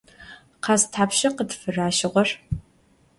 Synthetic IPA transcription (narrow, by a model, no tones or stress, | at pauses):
qɑːstʰħaːpʃɐqətfɨraːʃɪʁʷɔr